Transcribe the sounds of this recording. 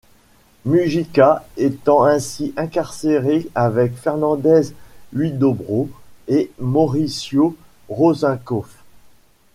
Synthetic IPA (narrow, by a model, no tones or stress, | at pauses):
myʒikaet̪ɑ̃ɛ̃siʔɛ̃kaʁseʁeavɛkfɛʁnɑ̃d̪ɛzɥid̪obʁoemɔʁisjo | ʁozɛ̃kɔf